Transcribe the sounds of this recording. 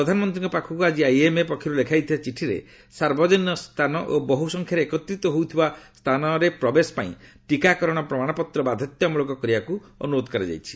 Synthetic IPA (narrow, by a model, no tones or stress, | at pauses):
pɾɔd̪ʱanɔmɔnt̪ɾiŋkɔpakʰɔkuad͡ʒiajemepɔkʰiɾulekʰajt̪ʰibat͡ʃiʈʰiɾḛ | saɾbɔd͡ʒɔnːɔst̪ʰanɔʔobɔɦusɔŋkʰjaɾekɔt̪ɾit̪ɔɦowt̪ʰibast̪ʰanɔɾepɾɔbesɔ̥paḭ̃ʈikakɔɾɔɽ̃ɔpɾɔmaɽ̃ɔpɔt̪ɾɔbad̪ʱɔt̪jɔmɔlokɔkɔɾibaku | ɔ̰nuɾod̪ɔkaɾɛd͡ʒa̰jt͡ʃʰi̥